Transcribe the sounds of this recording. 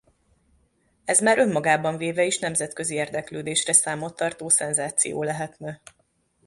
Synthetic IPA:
ɛzmaːɾʔø̞mːɒɡaːbɒɱveːvɛeːʃnɛmzɛt̪kø̞zieːrd̪ɛkløːd̪eːʃrɛsaːmot̪ːɒrt̪oːsɛnzaːt̪sḭjo̰ːlɛɦɛt̪nɛ

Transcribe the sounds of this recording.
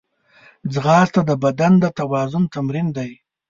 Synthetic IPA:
d͡zɣɑːst̪ad̪əbad̪and̪ət̪awɑzʊnt̪amɾind̪aj

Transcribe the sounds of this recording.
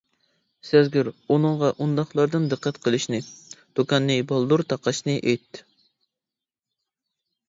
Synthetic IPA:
sɛzɡʲyɾunɨɴʁɑʔund̪ɑχlˠɑɾd̪ɨnd̪ɨqʰːɛt̪qʰəlˠɨʃnɨd̪̥ukʰɑnːɨbɑlˠd̪uɾt̪ʰɑqɑʃnɨʔet̪

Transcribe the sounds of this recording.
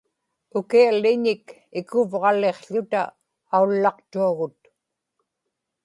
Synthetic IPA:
ʊkialːɪɲɪk | ɪkʊvʁɑle̞qɬʊt̪a̰ː | ulːɑqt̪uaɣʊt̪

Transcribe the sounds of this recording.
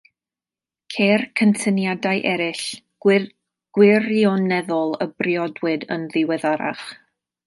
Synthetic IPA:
kʰeːrkʰəntʰənjadajʔɛɾɪɬ | ɡ̥wɪrjɔnɛðɔlˠəbrjɔdwɨdə̰nðɪwɛðaɾa̰χ

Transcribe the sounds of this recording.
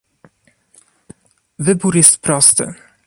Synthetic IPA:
vɘbuɾjɛst̪pɾɔst̪ɘ̰

